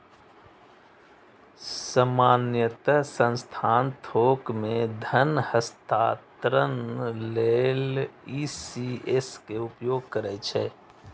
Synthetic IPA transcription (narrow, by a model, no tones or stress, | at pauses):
səmaːnjət̪əsə̃nst̪ʰaːnt̪ʰoːkmẽd̪ʱənhəst̪at̪ɾənːeːlisieskeʊpjoːɡ̚kəɾɛt͡ʃʰɛː